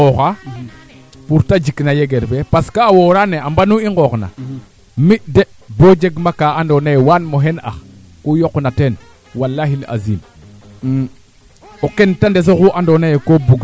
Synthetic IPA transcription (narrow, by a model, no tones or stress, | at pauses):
oɣa | puɾtad͡ʒiknajeɡeɾbepaskaːwoɾaneambanuiŋɡokna̰ | miʔde | bod͡ʒeɡmakaandonajewanmoɦena̰x | kujoknaten | walːaɦila̰zḭm | okentandes̬okuʔandonajekobuɡ